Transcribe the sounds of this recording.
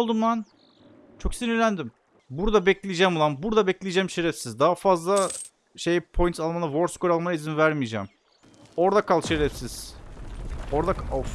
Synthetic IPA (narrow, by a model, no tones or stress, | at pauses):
lˠd̪umd̪an | t͡ʃʰo̞ksinilʲænd̪im | buɾd̪abɛclʲijd͡ʒɛːmolˠanbuɾd̪abɛclʲijid͡ʒɛmʃeɾɛfsizd̪aɦafazlˠa | ʃejpʰo̞jint̪ʰalˠmanɯvoɾskoɾalˠmajizinvæɾmid͡ʒɛ̰ːm | o̞ɾd̪akʰalˠʃeɾɛfsiz̥ | o̞ɾd̪a